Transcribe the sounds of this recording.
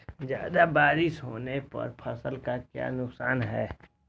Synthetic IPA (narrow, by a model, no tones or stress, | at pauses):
d͡ʒja̰ːd̪abaːɾɪsɦoːnepɐ̰ɾpʰɐsəlkakja̰ːnʊksaːnɦɛː